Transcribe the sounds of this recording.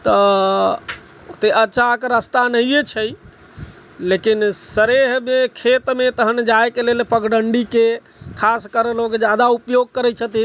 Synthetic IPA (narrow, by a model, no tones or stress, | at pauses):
t̪ə | ot̪eʔəːʃʰakəɾəst̪anəɦijet͡ʃʰəj | lekinsəɾeɦmekʰet̪met̪əɦənd͡ʒaekelelpəɡɖəɳɖike | kʰaskəɾeloked͡ʒjad̪aupjoɡ̚kəɾɛt͡ʃʰət̪i